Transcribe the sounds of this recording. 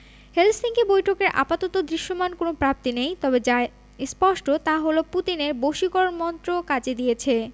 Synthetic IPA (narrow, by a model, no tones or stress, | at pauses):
helsiŋkebojʈʰokeɾʔa̰pat̪ot̪od̪ɾiʃːomankonopɾap̚t̪inejt̪ɔbed͡ʑae | spɔʃʈot̪aɦoloput̪ineɾboʃikɔɾonmɔnt̪ɾokad͡ʑed̪ijet͡ɕʰe